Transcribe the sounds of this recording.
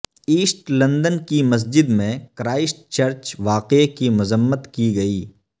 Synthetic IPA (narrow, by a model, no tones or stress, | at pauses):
iːsʈlɐ̃nd̪ənkimɐs̬d͡ʒɪd̪mẽkɾaːɪsʈt͡ʃɐɾt͡ʃʋaːqekimʊzəmːət̪kiɡɐiː